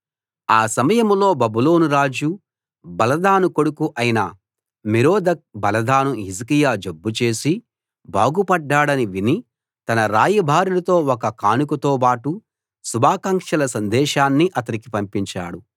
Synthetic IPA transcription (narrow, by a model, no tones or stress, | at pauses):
aːsɐmɐjɐmlo̞ːbɐbulo̞ːnuɾaːd͡ʒu | bɐlɐd̪aːnuko̞ɽukuʔɐjinɐ | miɾoːd̪ɐk̚bɐlɐd̪aːnuɦizikijaːd͡ʒobːut͡ʃe̞ːsi | bʱaːɡupɐɖːaːɽɐniʋini | t̪ɐnɐɾaːjɐbʱaːɾilɐt̪o̞ːɔkɐkaːnukɐt̪oːpaːʈu | subʱaːkaːŋkʂɐlɐsɐnd̪ɛːʃaːnːiʔɐt̪ɐɾikipɐmpiɲt͡ʃa̰ːɽu